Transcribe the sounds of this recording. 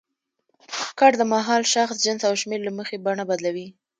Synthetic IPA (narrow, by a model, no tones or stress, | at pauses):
kɑʈd̪əmaɦɑlʃaxsʒənsawʃmeɾlaməxebaɳabad̪lawi